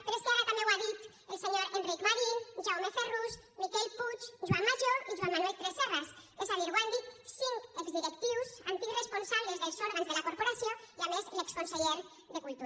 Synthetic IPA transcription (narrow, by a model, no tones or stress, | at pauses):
peɾeskeaɾat̪amẽwaðit̪ | elseɲoɾenrikmaɾinʒawmeferuz | mikelput͡ʃʒuwanmːaʒoɾiʒwanmanuelt̪ɾesːerasesaβiɾɣwand̪isiŋkekzðiɾekt̪iwsant̪ikresponsaβlezðelsoɾɣanzðelakoɾpoɾasjoiamezlekskonseʎeɾ | ðekult̪uɾ